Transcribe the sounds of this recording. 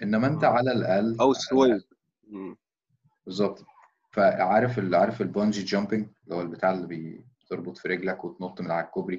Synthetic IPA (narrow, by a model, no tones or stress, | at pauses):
ʔenːæmæʔent̪æʕalælʔælæwswæj | m | bezˤːɑb̚t̪ | fæʕaːɾefelʕaːɾˤefelbɑnd͡ʒid͡ʒɑmbeŋlːihowːælbet̪aːʕelːibe | t̪eɾˤbot̪ˤfiɾeɡlækwet̪not̪ˤːmenaʕækkːobɾi